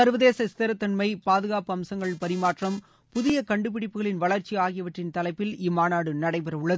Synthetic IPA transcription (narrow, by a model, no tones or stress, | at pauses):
sɐɾʋɐðeːsɐɪst̪ɐɾɐt̪ːɐɳmɐɪpaːðɯɣaːpɯɐmsɐŋɡɐɭpɐɾɪmaːʈrɐm | pʊðɪjɐkɐɳɖɯp̬ɪɽɪpːɯɣɐɭɪnʋɐɭɐɾt͡ʃiaːɣɪjɐʋɐʈrɪnt̪ɐlɐɪpːɪlɪmːaːnaːɽɯnɐɽɐɪpɛɾɐʊɭːɐðɯ